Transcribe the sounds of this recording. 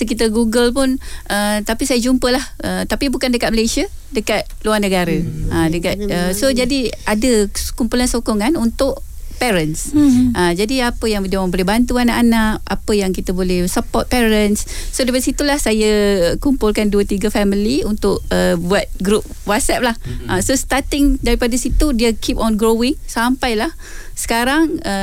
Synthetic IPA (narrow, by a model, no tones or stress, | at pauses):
əkit̪əɡuɡəlpʊnʔət̪apisajəd͡ʒumpəlahət̪apibukandəkat̪̚məlajsia | dəkat̪̚luarnəɡaɾəʔədəkat̪̚əsod͡ʒadiadəkumpulansokɔŋanunt̪ʊʔ | pɛɾənsʔəd͡ʒadiapəjaŋdiawaŋbolɛbant̪uanaʔanaʔa̰pəjaŋkit̪əbolɛhsəpɔt̪̚pɛɾənsːodəpadsit̪ulahsajəkumpʊlkanduət̪iɡəfɛmiliunt̪ʊʔ̚əbuat̪̚ɡɾup̚wat̪̚sɛp̚lahʔasost̪at̪ɪŋdaɾipadəsit̪udiəkʰipɔnɡɾowɪŋsampajlah | sə̥kaɾaŋə